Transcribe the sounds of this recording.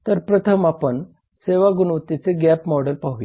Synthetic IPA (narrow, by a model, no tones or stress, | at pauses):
t̪əɾpɾət̪ʰəmapəɳ | seʋaɡunʋət̪it͡seɡæpmɔɽəlpaɦui